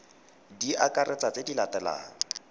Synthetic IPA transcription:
diʔakʼarʔɛt͡sʼat͡sedilatɛla̰ːŋ̩

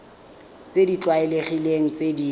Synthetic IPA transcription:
t͡sedit͡ɬwaɛleχileŋ̩t͡sʼedi

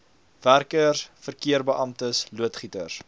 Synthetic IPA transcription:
værkərfərkiərbəʔɐmtəsluətχitər

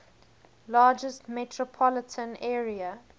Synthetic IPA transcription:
lɑːd͡ʒəstmɛtʰɹɔpʰɔlətʰə̃nɛːɹiə

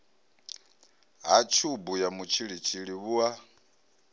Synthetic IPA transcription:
ɦat͡ʃʰubujamut͡ʃʰiɺit͡ʃʰiɺiβua

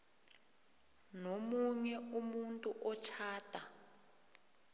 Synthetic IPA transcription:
nomuɲɛumuntʼuʔɔt͡ʃʰaːtʰʼa

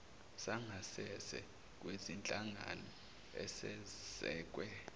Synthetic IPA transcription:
saŋʱasɛsɛ̰ | k̬ʼwezint͡ɬʼaŋa̰nɔ | ɛ̰sɛzɛːk̬ʼwɛ

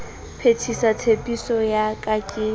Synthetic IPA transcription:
pʰetʰisatʰepʼisɔjakʼakʼɪː

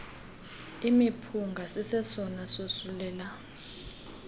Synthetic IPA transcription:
imipʰuŋɡʱasisɛsɔnasosulɛːla

